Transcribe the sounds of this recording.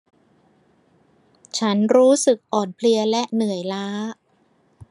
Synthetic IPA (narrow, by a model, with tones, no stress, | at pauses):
t͡ɕʰa˦˥nɾuː˦˥sɯ˨˩k̚ʔɔː˨˩npʰli˧ɐlɛ˦˥ʔnɯ˨˩əjlaː˦˥